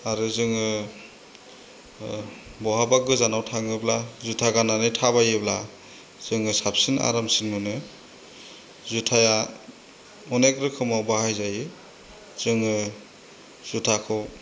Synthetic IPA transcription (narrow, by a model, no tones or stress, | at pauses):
aɾɯzɯŋɯ | bɔɦabak̚ɡɯzanawtʰaŋɯblazutʰaɡananɯjtʰaβajɯbla | z̥ɯŋɯsap̚sina̰ɾamsinmɯnɯ | zutʰaja | ɔnekɾɯkʰɯmawbahajzajɯ | z̥ɯŋɯ | z̥utʰakʰɔw